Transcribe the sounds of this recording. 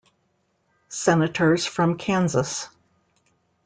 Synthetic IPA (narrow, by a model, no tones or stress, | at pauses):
sɛnɨɾʰə˞z̥fɹʌ̃mkʰæ̃nzəs